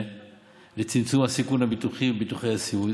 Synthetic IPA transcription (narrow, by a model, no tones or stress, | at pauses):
let͡simt͡sumasikunabituχiebituχeasiu